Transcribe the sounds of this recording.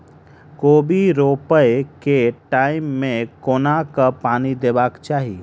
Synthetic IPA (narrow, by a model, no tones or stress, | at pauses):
koːbiɾoːpəekeʈaːɪmːẽkoːnakapaːnid̪eːbaːkt͡ʃaːɦie